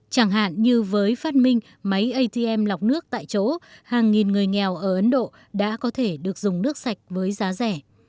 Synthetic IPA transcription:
t͡ɕaː˧˩ŋɦa̰ː˧˨nɲɨ˧vəː˨˦jfaː˦˥t̚mï˧ŋ̟ | mə˨˦jʔə˧jt̪i˧ʔɛ˧mla˨˩wk͡p̚nɨ˦˥ək̚t̪a̰ː˧˨jt͡ɕo˨˦haː˨˩ŋːi˨˩nŋɨ˨˩əjŋɛ˨˩wʔəː˧˩ʔə˨˦nɗo̰˧˨ | ɗa̰ː˧˥kɔ˨˦t̪ʰe˧˩ɗɨ˨˩ək̚zʊ˨˩ŋ͡mnɨ˦˥ək̚sa˨˩jk̟̚vəː˨˦jzaː˨˦zɛ˧˩

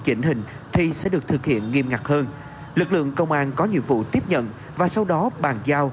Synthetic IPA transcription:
t͡ɕi˨˦ŋ̟hï˨˩ŋ̟ | t̪ʰi˨˩sɛ̰˧˥ɗɨ˨˩ək̚t̪ʰɨ˨˩k̚hḭ˧˨ənŋi˧əmŋa˨˩k̚həː˧n | lɨ˨˩k̚lɨ̰˧˨əŋkə˧wŋ͡mʔaː˧nkɔ˨˦ɲḭ˧˨əvṵ˧˨t̪i˦˥əp̚ɲə̰˧˨n | vaː˨˩sa˧wɗɔ˨˦ɓaː˨˩nzaː˧w

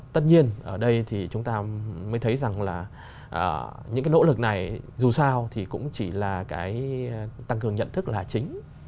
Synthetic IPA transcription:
t̪ə˦˥t̚ɲi˧ənʔəː˧˩ɗə˧jt̪ʰi˨˩t͡ɕʊ˨˦ŋ͡mt̪aː˧məː˨˦t̪ʰjza˨˩ŋlaː˨˩ | ʔəː˧˩ɲɨ̰˧˥ŋkaː˨˦jno̰˧˥lɨ˨˩k̚na˨˩jzu˨˩saː˧wt̪ʰi˨˩kʊ̰˧˥ŋ͡mt͡ɕi˧˩laː˨˩kaː˨˦jt̪a˧ŋkɨ˨˩əŋɲə̰˧˨nt̪ʰɨ˦˥k̚laː˨˩t͡ɕï˨˦ŋ̟

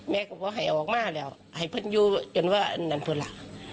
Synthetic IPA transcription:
mɛː˧˥ka˧˩bɔː˧˦ɦa˨˩jʔa˨˩ʔɔː˨˩k̚maː˧˥˨lɛː˧˩˨w | ha˨˩jpʰɤ˧˥˨njuː˧t͡ɕo˨nwaː˧˩ʔa˧˨ndaː˨npʰɤ˧˨nla˧˨ʔ

